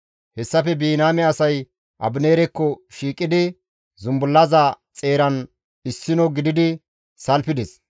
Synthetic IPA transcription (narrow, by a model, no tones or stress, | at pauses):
hɛsːɐfɛbiːnaːmɛɐsɐj | ʔɐbɪneːɾɛkːɔʃiːkʼːɪd̪ɪ | zʊmbʊlːɐzɐ | t͡sʼe̞ːɾɐn | ɪsːɪnɔɡɪd̪ɪd̪ɪ | sɐlpɪd̪ɛs